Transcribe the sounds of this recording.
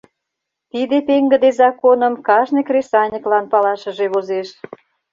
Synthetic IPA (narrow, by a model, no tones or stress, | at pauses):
t̪id̪epeŋɡə̆d̪ezɑkonəmkɑʒnekrʲesɑnʲəklɑnpɑlɑʃə̆ʒeβozeʃ